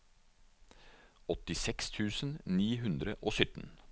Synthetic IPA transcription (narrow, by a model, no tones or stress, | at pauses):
ɔt̪ɪsɛkst̪ʰʉːsn̩niːɦʉnd̪ɾəʔoːsʏt̪n̩